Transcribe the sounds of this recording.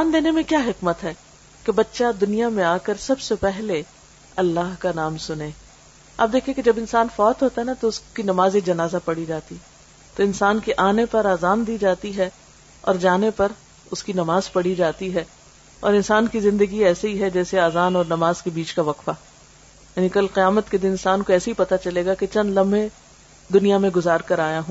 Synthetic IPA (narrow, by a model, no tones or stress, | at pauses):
aːnd̪eːnemẽkjaːɦɪkmət̪ɦɛː | kebɐtːʃad̪ʊnijamẽaːkəɾsɐbsepɛɦle | ɐlːaːɦkanaːmsʊnẽː | ɐ̰p̚d̪eːkʰiẽked͡ʒɐbɪnsaːnfɔːt̪ɦoːt̪aɦɛnat̪oʊskinɐmaːzed͡ʒɐnaːzapɐɽid͡ʒaːt̪iɛ | t̪oɪnsaːnkeʔaːnepɐɾaːzaːnd̪iːd͡ʒaːt̪iɦɛ | ɔ̰ːɾd͡ʒaːnepɐɾ | ʊskinɐmaːzpɐɽid͡ʒaːt̪iɦɛ | ɔ̰ːɾɪnsaːnkizɪ̃nd̪əɡiɛːseɦiɦɛd͡ʒɛːseaːzaːnɔːɾnɐmaːzkebiːt͡ʃkaʋɐqfaː | jaːnikɐlqɪjaːmət̪ked̪ɪnɪ̃nsaːnkoɛːseɦipɐt̪at͡ʃɐleːɡaket͡ʃɐ̃nd̪lɐ̃mbʱe | d̪ʊnijamẽɡʊzaːɾkɐɾaːjaɦõː